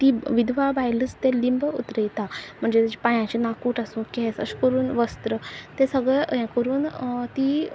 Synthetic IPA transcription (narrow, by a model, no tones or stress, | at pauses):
t̪iʋid̪ʱʋabajlət͡st̪elimbut̪ɾəjt̪am̤əɳd͡zet̪ad͡ʑipãjãt͡ɕinakuːʈasũkɛsə̰ɕkəɾuːnʋəst̪ɾət̪esəɡɭɛɦɛ̃kəɾuːnt̪i